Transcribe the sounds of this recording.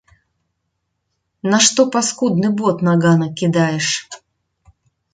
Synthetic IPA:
nɐʂt̪opɐskud̪nɨbɔt̪naɡanɐkʲɪd̪ajɪʂ

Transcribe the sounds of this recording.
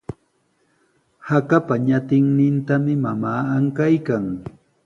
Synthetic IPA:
hakapaɲat̪ɪŋnɪnt̪amɪmamaːaŋkajkaŋ

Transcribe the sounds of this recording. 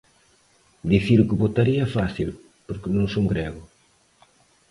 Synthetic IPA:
d̪iθiɾʊkɪβot̪aɾiɐfaθil | poɾkɪnõŋsuŋɡɾɛɣʊ

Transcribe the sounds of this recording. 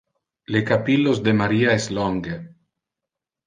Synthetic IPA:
lekapilːozd̪emaɾiaesloŋɡe

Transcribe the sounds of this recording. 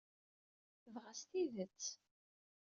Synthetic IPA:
θəvʁæst̪iðət͡sː

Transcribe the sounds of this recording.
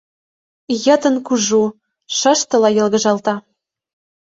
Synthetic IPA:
jɤ̆t̪ə̆nkuʒu | ʃɤ̆ʃt̪ɤ̆lɑjɤ̆lɣə̆ʒɑlt̪ɑ

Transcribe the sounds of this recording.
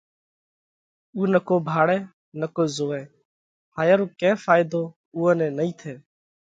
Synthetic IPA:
uːnəkoːbʱaːɽɛː | nəkoːzoːɛ̃ː | haːjaɾoːkɛ̃ːfaːɪd̪oː | uːɛ̃ːnɛ̃ːnəĩːt̪ʰeː

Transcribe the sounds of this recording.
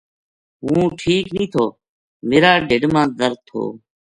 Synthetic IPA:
ɦũːʈʰiːknĩːt̪ʰoː | meːɾaːɖeɖmãːd̪əɾ̚t̪ʰːo̰ː

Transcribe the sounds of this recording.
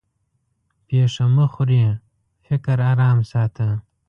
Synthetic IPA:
peːʂɐməxʊɾi | fɪkɐɾaːɾaːmsaːt̪ʰɐ

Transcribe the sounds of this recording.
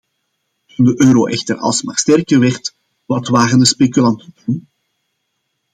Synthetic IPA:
tundəʔøːɾoʔɛxtərɑ̰lˠsma̰χstɛrkərʋɛrt | ʋɑtʋaːɣəndəspekylɑnttun

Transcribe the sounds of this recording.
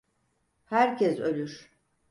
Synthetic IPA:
hæɾcʰɛsø̞lʲyɾ̥

